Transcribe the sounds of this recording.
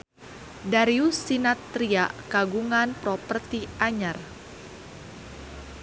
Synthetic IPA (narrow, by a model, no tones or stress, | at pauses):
daɾiusinat̪ɾiakaɡuŋanpɾɔpərt̪iʔaɲar